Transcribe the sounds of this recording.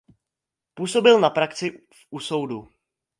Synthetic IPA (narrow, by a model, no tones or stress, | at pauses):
puːso̞bɪlnapɾakt͡sɪ | fuso̞wdu